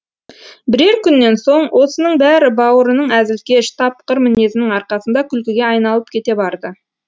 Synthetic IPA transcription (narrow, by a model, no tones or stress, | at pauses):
bɪɾe̞ɾkʲʰʏnːe̞nso̞ɴwʔo̞sənəɴbæɾɪbɑwəɾənəɴæzɪlkʲe̞ʃt̪ʰɑpqəɾmɪne̞zɪnɪŋɑɾqɑsənd̪ɑkʲʰʏlkʲɪɡʲe̞ɑjnɑlˠəp̚kʲʰe̞t̪e̞bɑɾd̪ə